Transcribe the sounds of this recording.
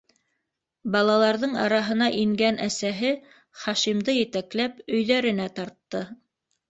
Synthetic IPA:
bɑlˠɑlˠɑɾðɤɴɑ̰ɾɑɦɤ̆nɑʔiŋɡænʔæsæɦɘ | χɑʃimd̪ɤjɘ̆t̪æklæpɵ̆jðæɾɘ̆næt̪ɑɾt̪ːɤ

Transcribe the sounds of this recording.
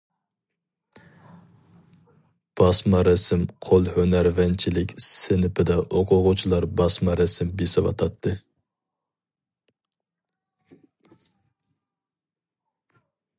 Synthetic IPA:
b̥ɑsmɑɾɛsɪmqʰolˠhønæɾvɛnt͡ʃʰilɪkʲsɪnɪpʰɪd̪ɛʔoqʰʊʁʊt͡ʃʰilˠɑɾbɑsmɑɾɛsɪmbesɪwɑ̰t̪ʰɑt̪ʰːɨ

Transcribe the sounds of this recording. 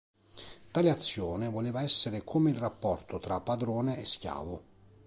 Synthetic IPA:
t̪aːleat̪sːjɔːnɪvoleːvaɛsːeɾɪkʰomeilrapːɔrt̪ʊt̪ɾapːad̪ɾɔːneɛskja̰ːvʊ

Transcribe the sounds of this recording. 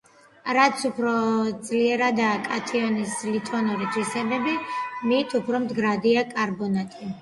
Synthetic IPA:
ɾat̪sʰupʰɾɔd̪zliɛɾad̪aːkʼat̪ʰiɔnislit̪ʼɔnuɾit̪ʰwisɛbɛbimit̪ʰupʰɾɔmd̪ɡɾad̪iakʼaɾbɔnat̪ʼi

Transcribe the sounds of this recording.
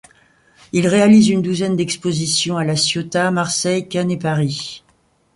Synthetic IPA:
ilʁealizynd̪uzɛnd̪ɛkspozisjɔ̃alasjot̪amaʁsɛjkʲanepaʁi

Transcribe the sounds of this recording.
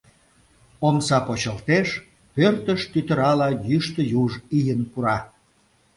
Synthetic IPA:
omsɑpot͡ɕəlt̪eʃ | pørt̪əʃt̪yt̪ə̆ɾɑlɑjyʃt̪əjuʒijənpuɾɑ

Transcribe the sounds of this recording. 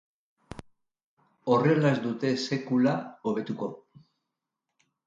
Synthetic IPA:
o̞re̞laezd̪ut̪e̞se̞kulao̞β̞e̞t̪uko̞

